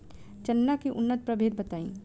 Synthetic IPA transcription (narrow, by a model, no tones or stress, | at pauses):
t͡ʃənːakiʔʊnːət̪̚pɾəbʱeːd̪̚bət̪aːĩː